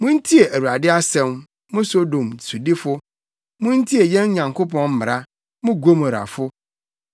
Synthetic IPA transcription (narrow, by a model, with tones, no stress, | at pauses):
mʊ̃˦n̩˦tʰi˦e˨ʔæ˨wu˨ɾa˨dɪ˦a˦sɛ̃˦m | mʊ̃˦so˦dõ˨msu˨dɪ˦fʊ˦ | mʊ̃˦n̩˦tʰi˦e˨jɛ̃˦n˦ɲã˨ŋkʰo˦pʰɔ̃˦nm̩˦mɪ˨ɾa˦ | mʊ̃˦ɡo˦ma˨ɾa̰˨fʊ˦